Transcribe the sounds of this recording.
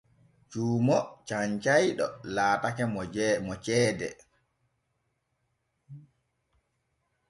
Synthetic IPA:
t͡ʃuːmɔt͡ʃaɲt͡ʃajɗɔ̰laːtakɛmmɔt͡ʃɛːdɛ

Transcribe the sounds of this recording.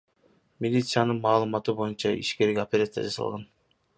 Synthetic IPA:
mʲilʲit̪sɨjanɯnmɑːlˠɯmɑt̪ɯbo̞junt͡ʃɑʔḭʃkeɾikopʲeɾat̪sja̰d͡ʒɑsɑ̰lˠʁɑn

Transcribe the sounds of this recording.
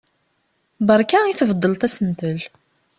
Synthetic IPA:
bəɾˤkaiθəvd̪ˤːəlt̪æsənt̪əl

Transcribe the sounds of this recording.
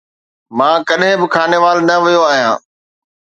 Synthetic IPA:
mãːkɐɗɦɪ̃bɪkʰaːneʋaːlnɐʋijoaːɦijã̰ː

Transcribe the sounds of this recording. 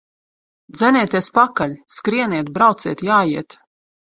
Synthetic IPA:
d̪zɛniːt̪iɛspakalʲskɾiɛniɛt̪̚bɾawt̪siɛt̪jaːjiɛt̪

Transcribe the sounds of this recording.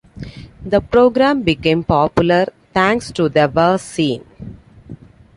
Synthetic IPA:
d̪ɐpɾoːɡɾãːmbɪkẽːmpɔːpjʊləɾt̪ʰæ̃ːŋksʈud̪əʋəsĩːn

